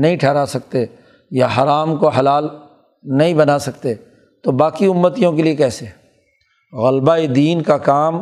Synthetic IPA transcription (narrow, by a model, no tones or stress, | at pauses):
nɐɦĩʈʰɛːɾasɐk̚t̪e | jaɦaːɾaːmkoɦɐlaːl | nɐɦĩbɐnasɐkt̪e | t̪obaːkiʊmːət̪ijõk̬eliekɛːseɦɛː | ɣəlbaed̪iːnkakaːm